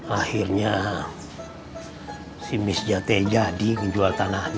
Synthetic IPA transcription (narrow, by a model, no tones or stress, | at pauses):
ahirɲa | simɪsd͡ʒat̪ɛd͡ʒadikəɲd͡ʒualt̪anahn